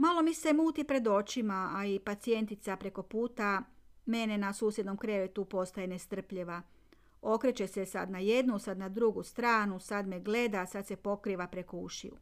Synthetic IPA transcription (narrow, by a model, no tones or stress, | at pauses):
malo̞mise̞muːt̪ipɾe̞d̪o̞t͡ʃimaaipat̪sije̞nt̪it̪sapɾe̞ko̞puːt̪ame̞ne̞nasuːsjed̪no̞mkɾe̞ʋet̪upo̞st̪ajene̞st̪r̩pʎeʋa | o̞kɾet͡ʃe̞sesa̰d̪najed̪nusad̪nad̪ɾuɡust̪ɾaːnusad̪meɡle̞d̪asad̪se̞po̞kɾiːʋapɾe̞koṵʃḭṵ